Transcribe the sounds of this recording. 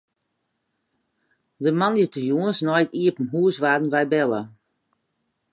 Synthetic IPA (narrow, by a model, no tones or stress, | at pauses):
dəmanjətəjuənsnɔjkiəpən̩ɦuəsʋaːdn̩ʋɛjbɛlˠə